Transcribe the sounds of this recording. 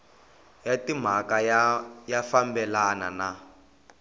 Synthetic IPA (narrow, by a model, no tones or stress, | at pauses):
jatim̤akajjafambɛlana̰na